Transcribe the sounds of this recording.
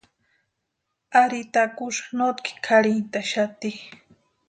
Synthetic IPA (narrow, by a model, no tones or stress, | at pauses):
aɾit̪akʊʃχnot̪kʰi̥kʰaɾint̪aʃat̪i